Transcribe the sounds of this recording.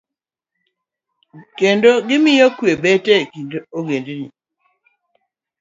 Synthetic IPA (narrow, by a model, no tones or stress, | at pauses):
kendoɡɪmɪjokwebɛtekindoɡendenḭ